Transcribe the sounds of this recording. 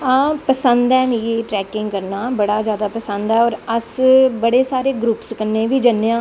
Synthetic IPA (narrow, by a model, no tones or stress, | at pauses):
aːpəsənd̪ɛːnjeːʈɾɛːkɪŋɡkəɾnaːbəɽaːzjaːd̪aːpəsə̃nd̪ɛːɔːɾəsbəɽeːsaːɾeːɡɾuːpskənːẽːʋiːd͡ʒənːeːãː